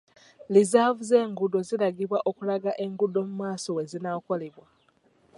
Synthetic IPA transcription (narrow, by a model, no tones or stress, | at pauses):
lizavuze̞ːŋɡudozilaɡiβwaʔo̞kulaɡaʔe̞ŋɡudo̞mumaːso̞we̞zinako̞le̞βwa